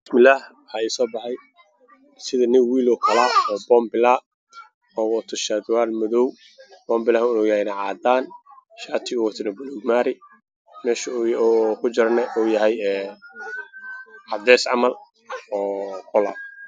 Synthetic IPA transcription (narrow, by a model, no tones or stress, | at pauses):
bɪsmɪlːaːh | aɪsɔːbɑħɑj | sɪðɐnɪwwiːlɔːkʰɐlaːɔːbɔːmbɪlaː | ɔːwɔt̪ʰɔʃad̪waːlmɔðɔw | b̥ɔːmbɪlahɔjɐhɛjnɐʕaːd̪aːnʃaːt̪ʰɪʊwɐt̪ʰɪnɐbʊluɡmaːɾɪ | mɛːʃ | kʰʊd͡ʒɐɾnɛʔɔːjɐɦɛjɛː | ʕɑd̪ɛːsʕɑ̰mɐl | ɔːqɔla̰ː